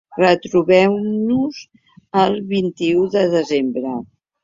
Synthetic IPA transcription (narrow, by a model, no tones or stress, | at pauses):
rət̪ɾuβɛwnuz | əlˠβint̪iuðəðəzembɾə